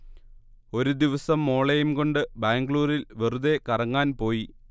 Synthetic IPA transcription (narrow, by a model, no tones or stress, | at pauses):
o̞ɾud̪iʋɐsɐmːo̞ːɭejumko̞ɳɖɨbaːŋɡɭuːɾilʋeruðe̞kɐrɐŋːaːnpo̞ːji